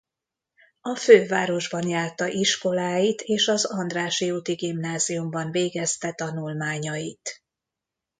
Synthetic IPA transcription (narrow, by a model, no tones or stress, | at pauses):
ɒføːvaːɾo̞ʒbɒnjaːrt̪ɒʔiʃko̞laːjit̪ʰeːʃɒzɒnd̪raːʃiut̪iɡimnaːzijumbɒnveːɡɛst̪ɛt̪ɒnulmaːɲɒjit̪